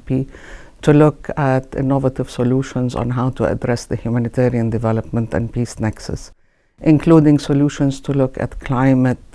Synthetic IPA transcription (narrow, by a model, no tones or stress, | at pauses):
pi | tʰulʊkʰæt̪ɪ̰nːɔvətɪv̥sɔluːʃə̃nzɔ̰̃nɦaʊtʰuə̰dɾɛsðəhjumænɪt̪ʰɛːɾiə̃ndɪvɛləpmə̃ntæ̰̃npʰiːsnɛksə̰s | ʔɪ̃nkʰluːdɪ̃ŋsɔljuːʃə̃nz̥tʰulʊkæ̰tkʰl̥ãɪmət